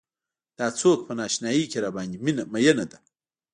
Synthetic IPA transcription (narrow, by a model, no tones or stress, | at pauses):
d̪̥ɑːt͡soːk̚pənɑːʃnɑːjikeɾaːbɑːnd̪iminamajɐnad̪a